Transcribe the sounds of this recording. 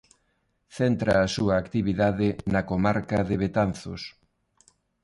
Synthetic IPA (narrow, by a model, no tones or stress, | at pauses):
θent̪ɾɐːsuɐːkt̪iβiðaðɪnɐkomaɾkɐðɪβet̪anθo̰s